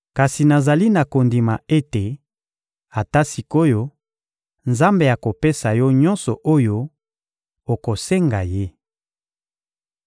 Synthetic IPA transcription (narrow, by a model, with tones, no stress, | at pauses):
ka˨si˨na˨za˨li˦na˨ko˨ndi˨ma˨e˦te˨ | a˨ta˦si˨ko˦jo˦ | nza˦mbe˨ja˨ko˨pe˦sa˨jɔ˦ɲɔ̃˦nsɔ˨ʔo˦jo˦ | o˨ko˨se˦ŋɡa̰˨je˦